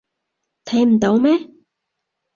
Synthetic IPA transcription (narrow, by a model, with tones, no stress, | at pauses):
t̪ʰɐ˨˥jm̩˨˩t̪o˨˥wmɛː˥